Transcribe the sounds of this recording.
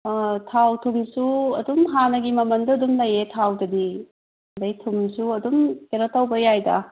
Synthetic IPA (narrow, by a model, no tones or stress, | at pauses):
tʰawtʰumsuɐdumɦanɐɡimɐmɐndɐːdumlɐjetʰawdɐdi | dɐjtʰumsuɐdumeɾɐtːɐwbɐjajdɐ